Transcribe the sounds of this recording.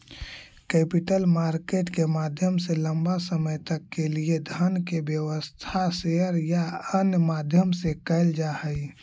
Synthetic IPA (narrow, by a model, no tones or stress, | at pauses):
kɛpiʈəlmaɾkeʈkemad̪ʱjəmseləmbasəməjt̪əkːelied̪ʱənkebjəʋəst̪ʰaseəɾjaənjəmad̪ʱjəmsẽkəɪld͡ʒahəj